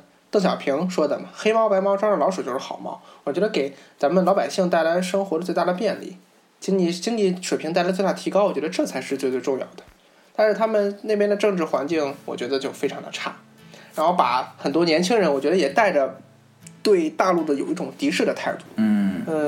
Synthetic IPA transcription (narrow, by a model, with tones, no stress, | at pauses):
t̪ɤ˥˩ŋɕjɑ˨˩ʊpʰi˧˥ŋʂwɔ˥d̪ə̰˨mɐ˩xe˥mɑ˥ʊpa˧˥ɪmɑ˥ʊʈ͡ʂwɑ˥ə˨lɑ˧˥ʊʂu˨˩t͡ɕjo˥˧ʊʂɻ̩˥˩xɑ˨˩ʊmɑ̰˥˩ʊwɔ˨˩t͡ɕɥɛ˧˥ə˧ke˨˩ɪt͡sa˧˥mə˨nlɑ˧˥pa˨˩ɪɕi˥˧ŋt̪a˥˩ɪla˧˥ɪʂɤ˥ŋxwɔ˧˥ɾə˧t͡swe˥˧ɪt̪a˥d̪ə˩pjɛ˥˧nlḭ˥˩ | t͡ɕi˥ŋli˧˥˩t͡ɕi˥ŋli˥˩ʂwe˨˩pʰi˧˥ŋt̪a˥˩ɪlt͡s̬wt̪a˥˩t̪ʰi˧˥kɑ˥ʊwɔ˨˩t͡ɕɥɛ˧˥ə˧ʈ͡ʂɤ˥˩t͡sʰa˧˥ɪʂɻ̩˧t͡swe˥˧tt͡swe˥˧ʈ͡ʂʊ˥˧ŋjɑ̰˥˩ʊd̪ə̥˩ | t̪a˥˧nʂɻ̩˥˩t̪ʰa˥mə˨nne˥˩ɪpjnd̪ə˧ʈ͡ʂɤ˥˧ŋʈ͡ʂɻ̩˥˩xwa˧˥nt͡ɕi˥˩ŋwɔ̰˨˩t͡ɕɥɛ˧˥d̪ə˧t͡ɕjo˥˧ʊfe˥ɪʈ͡ʂʰɑ˧˥ŋd̪ə̰˧ʈ͡ʂʰa˥˩ | ɻa˧˥nxo˥˩ʊpa̰˧˩xə˨˩nt̪wɔ˥njɛ˧˥nt͡ɕʰi˥ŋɻə˧˥nwɔ˨˩t͡ɕɥɛ˧˥d̪ə˧jɛ˨˩t̪a˥˩ɪʈ͡ʂə˩ | t̪we˥˧ɪt̪a˥˧lu˥˩d̪ə˩jo˨˩ʊi˥ʈ͡ʂʊ˨˩ŋt̪i˧˥ʂɻ̩˥˩d̪ə˩t̪ʰa˥˧ɪt̪u˥˩˥